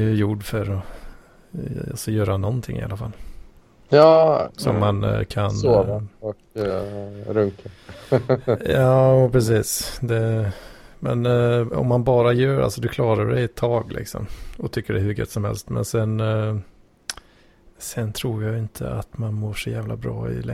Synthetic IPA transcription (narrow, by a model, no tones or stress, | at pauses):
jɵjuɖfœɾɔ | a̰sɔjøːɾanɔnt̪ʰɪŋːɪ̰a̰lːafalː | jɑsɔ̰mːankʰanoɔk | ɾɵŋka | jɑːpʰɾɛs̬iːsd̪ɛ | mɛnɔ̰mːanbɑːɾajœːɾa̰lsɔd̪ɵkʰlɑːɾaɖɛjɛt̪ʰːɑːɡlʔɪ̰ksɔ̰mɔt̪ʰʏkːəɖɛhɵɾɡœ̰t̪ːsɔmhɛ̰lst̪mɛ̰nsɛn | sɛnt̪ʰɾuːɾjaɪnt̪ʰəa̰t̪manmoːʂɔjæːvlabɾɑ̰ːɪ̰lɛ